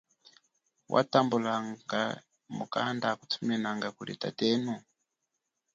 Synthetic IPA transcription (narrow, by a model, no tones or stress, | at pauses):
wʔa̰tambulaŋɡa | mukandaku̥tʰumɛnaŋɡakulḭtatɛnu